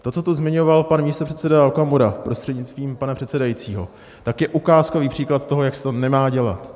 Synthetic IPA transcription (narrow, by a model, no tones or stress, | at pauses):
t̪o̞t͡so̞t̪uzmɪɲovalpanmiːst̪or̥ɛt̪t͡sɛdaalkamuɾapɾo̞st̪r̥ɛdɲɪt͡st̪viːmpanapr̝̥ɛt̪sɛdajit͡siːɦo̞ | t̪akjɛʔukaːskoviːpr̝̥iːklat̪t̪oɦo̞jaksɛ̥t̪o̞nɛmaːɟɛla̰t̪